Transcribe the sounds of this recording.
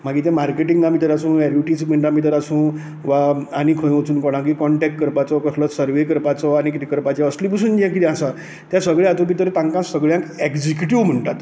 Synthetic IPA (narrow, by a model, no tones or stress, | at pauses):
m̤aɡit̪jãmaɾkeʈiŋɡamit̪əɾasũːɛɾuʈism̤əɳʈamit̪̬əɾasũː | ʋaːnikʰə̃j̃ot͡suːnkɔɽ̃ãkikɔɳʈɛk̚ʈ̚kəɾpat͡sɔkəslɔsəɾʋekəɾpat͡sɔañikit̪ikəɾpat͡ɕjaəslip̬əsuːnd͡ʑjãkit̪iasa | t̪jãsəɡɭeat̪õb̬it̪əɾt̪ãŋkãsəɡɭjãŋkɛkd͡zikjuʈiʋm̤əɳʈat̪